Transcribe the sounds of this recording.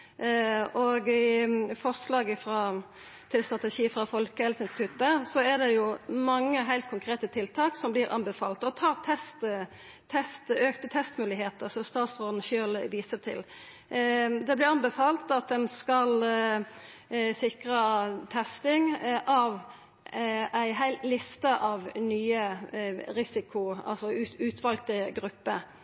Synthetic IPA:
ɔɡɪfɔʁslɑːɡəfɾɑ | t̪ʰɪlst̪ɾɑt̪ɛʃiːfʁɑfɔlkəhɛlsɪnst̪ɪt̪ʰʉːt̪əsɔæd̪ɛjʊmɑŋːəɦæɪlt̪̚kʰʊŋkʰɾeːt̪ət̪ʰɪlt̪ʰɑːksɔmblɪɾɑ̰nbɛfɑ̰ːlt̪ɔt̪ʰɑːɾt̪ʰɛst̪ʰː | ɛst̪øːkt̪ət̪ʰɛst̪mʉːlɪheːt̪əɾsɔmst̪ɑːt̪sʁoːd̪n̩ʃøːlʋiːsət̪ʰɪ̰l | d̪ɛblɪʁɑnbɛfɑːlt̪ɑt̪̚d̪ɛnskɑl | sɪkɾət̪ʰɛst̪ɪŋʔɑʋ | æɪɦæɪlt̪lɪst̪əʔɑʋnyːə | ɾɪsɪkʰʊɑ̰lsɔʉʉːt̪ʰʋɑlɡ̚t̪əɡɾʉpːə

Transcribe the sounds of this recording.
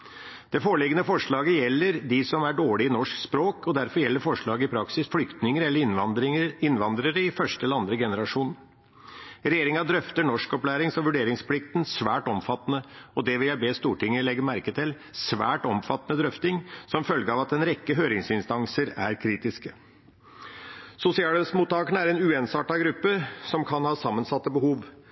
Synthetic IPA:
d̪̥ɛfoːɭɪɡənəfɔʂɭɑːɡəjɛlːəɾd̪ɪsɔmæɖoːɭɪɪnɔʂkspɾoːkʰɔd̪æɾfɔɾjɛlːəɾfɔʂɭɑːɡəɪpʰɾɑksɪsflʏkt̪nɪŋəɾɛlːə | ɪnʋɑnd̪ɾəɾəɪfœʂʈəɛləɑnd̪ɾəɡɛnəɾɑʂuːn | ɾɛjeːɾɪŋɑd̪ɾœft̪əɳɔʂkɔplæːɾɪŋsɔʋʉɖeːɾɪŋsplɪk̚t̪nsʋæːʈɔmfɑt̪ːnəɔd̪ɛʋɪljæɪbeːst̪uːʈɪŋːəlɛɡəɾmæɾkət̪ʰɪl | sʋæ̰ːʈɔmfɑt̪ːənəd̪ɾœft̪ɪŋsɔmfœlɡəɑːʋɑt̪ɛnɾɛkːəɦøːɾɪŋsɪnst̪ɑŋsəɾæɾkʰɾiːt̪ɪskə | sʊsɪɑːləsmuːt̪ːɑːkəɳəæɾɛnʉːensɑːʈɑɡɾʉpːəsɔmkʰɑnhɑːsɑmːənsɑt̪ːəbəɦuːʋ

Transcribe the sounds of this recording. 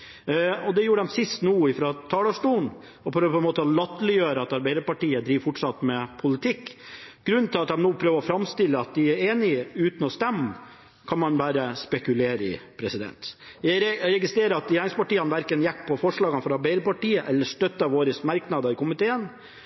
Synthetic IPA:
ɔd̪ɛjuːəɖ̪ɛmsɪst̪nuːɪfɾɑːt̪ʰɑːlɑʂʈuːn | ɔpʰɾøːʋəpʰɔɛnmoːt̪əɔlɑt̪ːlɪjøːɾəɑt̪ɑɾbæɪəɾpɑʈiːəd̪ɾiːʋfɔʈʂɑt̪mɛpʰʊlɪt̪ʰɪkːɡ̥ɾʉnt̪ʰɪlɑt̪̚d̪ɛmnuːpʰɾøːʋəɾɔfɾɑmst̪ɪlːəɑt̪̚d̪ɪæɾeːnɪəʉːt̪ən̩ɔst̪ɛmː | kʰɑnmɑnbæːɾəspɛkʉleːɾəɪ̰pʰɾɛsɪd̪ɛ̰nt̪jæɪɾɛɾɛɡɪst̪ɾeːɾəɑt̪jæːɳɪŋspɑʈiːɑnʋæɾkənjækːpʰːɔfɔʂɭɑːɡənəfɔɾɑɾbæɪɾəpɑʈiːəʔɛlːəʂʈ̪œt̪ːɑʋoːɾəsmɑɾknɑd̪əɪkʊmɪt̪ʰeːən

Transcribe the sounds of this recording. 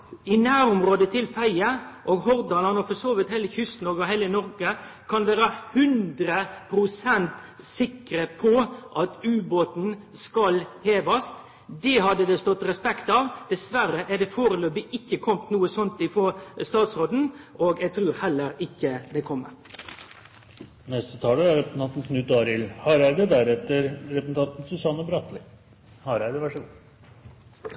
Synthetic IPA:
ɪnæːɾʊmɾoːd̪ət̪ʰɪlfæɪəʔoɡhɔɾd̪ɑnɑnɔfɔsoːʋɪt̪hɛɪləçʏst̪nɔɡɔhæɪlənɔɾɡə | kʰɑnʋæːɾəhʉnd̪ɾəpʰɾʊsɛnt̪ | sɪkɾəpʰɔʔɑt̪ʉːboːt̪n̩skɑlheːʋɑst̪ | d̪ɛhɑd̪ːəd̪ɛst̪ɔt̪ːɾɛspɛkt̪ɑːʋd̪̥ɛsʋæɾəʔæɖ̪ɛfoːɾəløːbɪʔɪkːəkʰɔmt̪nuːəsɔnt̪ɪfoːst̪ɑːt̪sɾoːd̪n̩ʔoːɡɛɡ̚t̪ʰɾʉːɾhɛlːəɾɪkːəd̪ɛkʰɔmːə̰ɾ | nɛst̪ət̪ʰɑːləæɾɛp̪ʰɑnt̪n̩kʰnʉt̪̚ɑːɾɪlhɑːɾæɾd̪ɛd̪æɾɛt̪ːəɾɾɛpsn̩t̪ʰɑnt̪n̩sʉsɑnəbɾɑt̪lɪ | hɑːɾæd̪ɛʋæʂɔ

